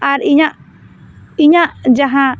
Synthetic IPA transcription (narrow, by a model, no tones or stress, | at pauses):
aɾiɲaʔ | iɲaʔd͡ʒaɦã